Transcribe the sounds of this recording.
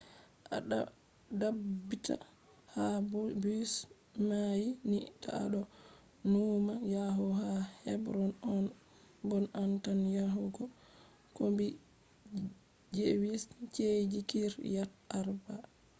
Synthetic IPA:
ʔa̰ɗa̰ | dabːitʰa̰ | habus | majinita̰ɗɔ | numajaɦuhahɛbɾɔnɔn | bɔnantanjaɦuɡɔ | kombi | d͡ʒewist͡ʃed͡ʒikiɾjataɾba

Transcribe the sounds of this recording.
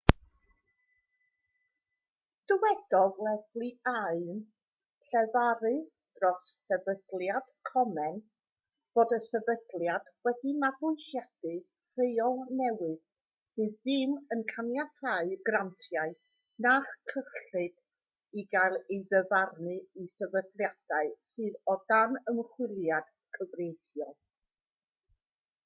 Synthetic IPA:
d̥əwɛd̥ɔðlɛθlˠiaɨn | ɬɛvaɾɨ | d̥rɔsːɛvəd̥lˠjad̥kʰɔmɛn | b̥oːdəsɛbəd̥lˠjad̥wɛdimaɡʊjʃjad̥ɨ | r̥ejɔlˠnɛwɨð̥ | sɨːðːɨmənkʰanjatʰaɨɡrantʰjaɨ | naχkʰəχɬɨd̥ | iɡajlˠejðəvarnɨisɛvədlˠjad̥aɨsɨːðɔdanəmχwɪlˠjad̥ | kʰəvrejθjɔlˠ

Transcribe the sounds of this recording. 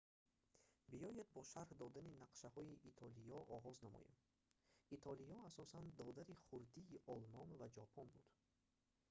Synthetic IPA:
bijɔjed̪̚bɔʃaɾhd̪ɔd̪aninaqʃahɔiʔit̪ʰɔlijɔʔɔʁɔznamɔ̰jḛm | it̪ʰɔlijɔasɔsand̪ɔd̪aɾiχuɾd̪iːʔɔlmɔnvad͡ʒɔpʰɔnbud̪̥

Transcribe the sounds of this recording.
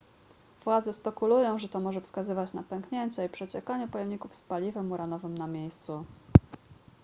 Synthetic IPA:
v̥wad̪zɛspɛkulujɔ̃w̃ʐɛt̪ɔmɔʐɛfskazɘvat͡ɕna̰pɛŋkɲeɲt͡ɕɛipʂɛt͡ɕɛkaɲɛpɔjɛmɲikufspalʲivɛmuɾanɔvɘmnamʲjejst̪su

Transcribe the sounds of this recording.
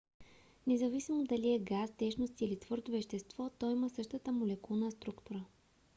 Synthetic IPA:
nɛzɐvisimod̪ɐliɛɡast̪ɛʃnost̪iːlit̪v̥ɤɾd̪ovɛʃt̪ɛst̪vɔt̪ɔiməsɤʃt̪ət̪əmolɛkulˠnəst̪ɾukt̪uɾə

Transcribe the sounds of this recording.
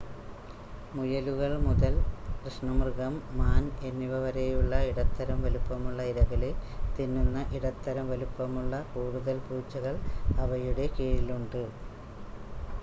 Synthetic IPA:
mujɐluɣɐɭmuðɐlkrɨʂɳɐmrɣɐmːaːnenːiʋɐʋɐɾejuɭːɐiɽɐt̪ːɐɾɐmʋɐlupːɐmuɭːɐiɾɐɣɐlilt̪inːunːɐʔiɽɐt̪ːɐɾɐmʋɐlupːɐmuɭːɐkuːɽuðɐlpuːt͡ɕːɐɣɐɭɐʋɐjuɽe̞kiːɻiluɳɖɨ

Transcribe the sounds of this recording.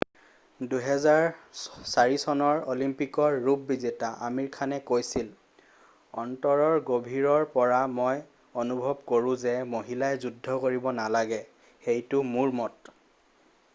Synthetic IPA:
duɦɛzaɹsaɹisɔnɔɹolimpikɔɹːupːizetaʔamiɹkʰanɛkojsil | ɔntɔɹɔɹɡobʱiɹɔɹpɔɹamoj | onubʱɔbkoɹũzɛmoɦilajzudʱːɔkoɹibɔnalaɡɛ | xejtʊmuɹmɔt

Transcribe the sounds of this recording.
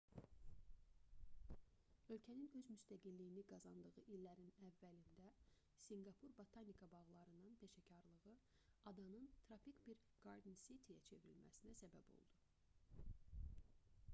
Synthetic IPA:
ø̞lcʰæninø̞zmyst̪ʰæɡilːijiniɡɑzɑnd̪ɯʁɯʔilːæɾinævːælind̪æ | siŋɡɑpʰuɾbot̪ʰɑnikʰɑbɑʁlˠɑɾɯnɯnpʰeʃæcʰɑɾlˠɯɣɯ | ɑd̪ɑnɯnt̪ʰɾɑfikbiɾ | ɡ̥ɑɾd̪insit̪ʰijæ̰t͡ʃʰe̞viɾilmʔæ̰sinæsæbæbo̰lˠd̪̥u

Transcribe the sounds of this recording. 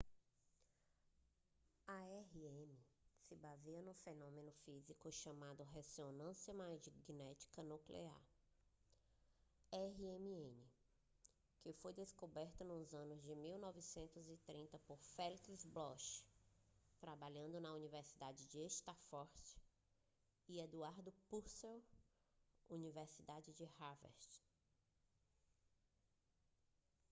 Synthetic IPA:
ɐɛɦiẽmɪsɪbaziɐnũfenõmẽnʊfizikʊʃɐmad̪ʊɦezonɐ̃sjɐmazd͡ʒɪɡinɛt͡ʃi̥kɐnuklḛa̰ɾ | ɛɦiẽmiẽnɪ | kɪfojd̪eskobɛɾt̪ɐnũzɐ̃nʊzd͡ʒɪmiwnɔvisẽnt̪ʊzit̪ɾĩnt̪ɐpoɾfɛlkizblɔʃ | t̪ɾabaʎɐ̃nd̪ʊnɐuniveɾsid̪ad͡ʒɪd͡ʒɪeʃt̪afɔɾs | ied̪uaɾd̪ʊpuɾsew | univeɾsid̪ad͡ʒɪd͡ʒɪhavɛ̰ɾst͡ʃ

